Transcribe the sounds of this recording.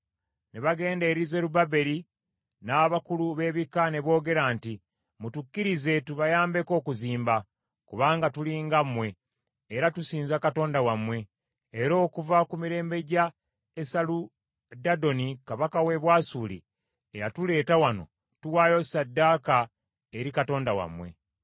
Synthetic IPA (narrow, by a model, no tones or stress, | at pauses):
neβaɡe̞ːndeːɾize̞ɾubabe̞ɾi | naːβakuluβe̞ːβikane̞βo̞ːɡe̞ɾanti | mutukːiɾize̞tuβajaːmbe̞ko̞ːkuziːmba | kuβaːŋɡatuliːŋɡamːwe̞ː | ɾatusiːnzakato̞ːndawamwe̞ː | ɾo̞ːkuvakumiɾe̞ːmbe̞ɟa | esalu | dado̞nikaβakawe̞βwaːsuːlḭ | ejatule̞ːtawano̞̰ | tuwaːjo̞sadːaːka | eɾikato̞ːndawa̰mwe̞̰